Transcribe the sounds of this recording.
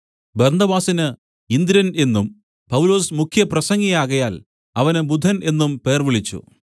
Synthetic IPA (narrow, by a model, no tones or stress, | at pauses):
bernɐbaːsinɨ | ind̪iɾɐne̞nːum | pɐwlo̞ːsmukʰjɐprɐsɐŋːijaːɣɐjaːl | ɐʋɐnɨbud̪ʱɐne̞nːumpe̞ːrʋiɭit͡ɕːṵ